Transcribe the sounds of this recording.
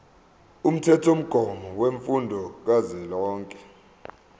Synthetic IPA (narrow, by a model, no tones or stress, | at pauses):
um̩tʰɛtʰom̩ɡ̥ʱɔmɔweɱfundʱɔk̬azɛlɔːŋkʼɛ̥